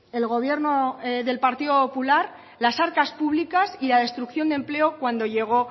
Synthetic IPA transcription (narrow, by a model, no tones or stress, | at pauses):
e̞lɣo̞β̞je̞ɾno̞ðe̞lpaɾt̪iðo̞po̞pulaɾ | lasaɾkaspuβlikasilaðe̞st̪ɾukθjo̞nd̪e̞mple̞okwand̪o̞ʝe̞ɣ̞o̞